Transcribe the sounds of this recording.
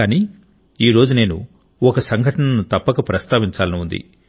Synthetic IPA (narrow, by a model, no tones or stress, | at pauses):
aːniː | iːɾo̞ːd͡ʒune̞ːnṵ | ɔkɐsɐŋɡʱɐʈɐnɐnut̪ɐpːɐkɐpɾɐst̪aːʋiɲt͡ʃaːlɐniund̪ḭ